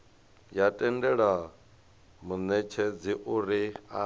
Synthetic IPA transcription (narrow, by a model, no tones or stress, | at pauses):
jatʼɛndɛɺa | munɛt͡ʃʰɛd͡ziʔuɾia